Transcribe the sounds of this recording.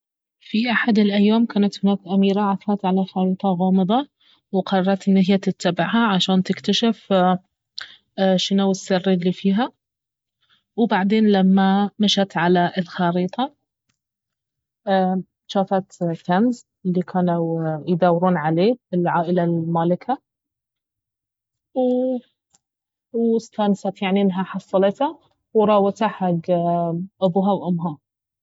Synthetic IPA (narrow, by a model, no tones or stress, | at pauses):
fiʔaħad̪ɪlʔajːaːmkaːnat̪hɪnaːkʔamiːɾaʕafɑːt̪ʕalaxɑɾiːt̪ˤɑɣɑːmɨðˤɑ | wqɑrˤɑˤɑɾt̪ɪnːɪhɪjat̪ɪt̪ʰːabɪʕhaʕaʃaːnt̪ɪkt̪aʃɪf | ʃɪnuwɪsːɪrːilːifiːɦa | wbaʕd̪eːnlamːamaʃat̪ʕalaʔɪlxɑːɾiːt̪ˤɑ | ʃaːfat̪t̪anz | ɪlːikʰaːnawjd̪aːwɾuːnʕaleːbɪlʕaːʔɪlalmaːlɪka | w | wɪst̪ansat̪jaʕniʔɪnːɦaħɑsˤːɑlɪt̪ha | wɾˤɑːwat̪aħaɡ | ʔabuːɦawʔʊmːɦa